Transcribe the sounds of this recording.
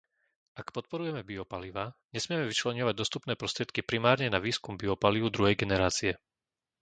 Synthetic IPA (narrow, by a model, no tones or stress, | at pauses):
ʔakpɔt̪̚pɔɾujɛmɛbiɔpaliʋaɲɛsmɪjɛmɛʋit͡ʃlɛɲɔʋaɟ̚d̪ɔst̪upnɛːpɾɔst̪ɾɪɛt̪kipɾimaːɾɲɛnaʋiːskumbiɔpaliʋʊd̪ɾuɦɛjɡɛnɛɾaːt͡siɛ